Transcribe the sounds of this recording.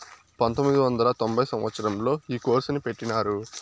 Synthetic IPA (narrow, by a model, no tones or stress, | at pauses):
pɐnt̪omːid̪iʋɐnd̪ɐlɐt̪o̞mbʱɐjsɐmʋɐt̪sɐɾɐmlo̞ːiːko̞ːɾsɐnipe̞ʈːinaːɾu